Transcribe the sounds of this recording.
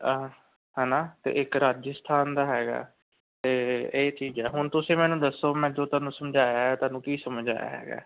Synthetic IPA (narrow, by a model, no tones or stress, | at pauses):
ɦɛːnaːt̪ḛːʔɪkɾaːd͡ʒəst̪ʰaːnd̪aːɦɛːɡa̰ː | t̪eːeːt͡ʃiːzɛːɦʊnt̪ʊsĩːmɛ̃ːnũːd̪əsːoːmɛ̃ːd͡ʒoːt̪aːnũːsəmd͡ʒaːjaːɦɛt̪aːnũːkiːsəmd͡ʒa̰ːja̰ːɦɛ̰ːɡa̰ː